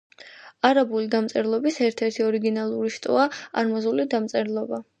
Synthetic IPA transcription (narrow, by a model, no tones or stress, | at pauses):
aɾabulid̪amt̪sʼɛɾlˠɔbisɛɾt̪ʰɛɾt̪ʰiɔɾiɡinalˠuɾiʃt̪ʼɔ̰aa̰ɾmazulid̪amt̪sʼɛɾlˠɔba